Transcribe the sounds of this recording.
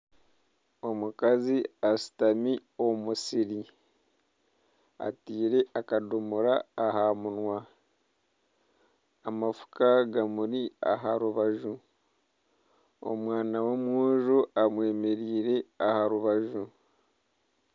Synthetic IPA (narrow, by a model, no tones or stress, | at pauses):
o̞mukaziasi̥tamio̞musiɾi | a̰tiːɾe̞ʔakadumuɾaːhamunwa | amafu̥kaɡamuɾia̰ɦaɾuβaʒu | o̰mwaːnawomwuːʒuamwe̞ːme̞ɾiːɾe̞ahaɾuβaʒu